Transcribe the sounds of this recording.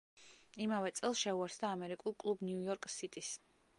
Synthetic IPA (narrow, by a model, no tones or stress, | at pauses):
imavɛt̪sʼɛlˠsʃɛuaɾsd̪aːmɛɾikʼulˠkʼlˠubniujɔɾkʼsit̪ʼis